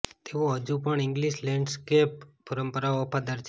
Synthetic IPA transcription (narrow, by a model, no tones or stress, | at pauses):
t̪eoɦəd͡ʒupəɳɪŋɡliʃlɛ̃ɳɖskepːəɾəmpəɾaoːpʰad̪əɾt͡ʃʰ